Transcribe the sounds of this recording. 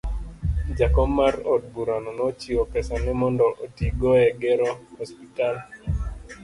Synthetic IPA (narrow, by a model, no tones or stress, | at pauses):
d͡ʒakɔmːarɔd̚buɾanɔnɔt͡ʃiɔpɛsanɪmɔndɔlotiɡɔɛɡɛɾɔhɔspital